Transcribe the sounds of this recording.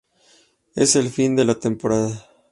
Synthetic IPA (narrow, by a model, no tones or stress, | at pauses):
ḛse̞lfind̪e̞lat̪e̞mpo̞ɾaða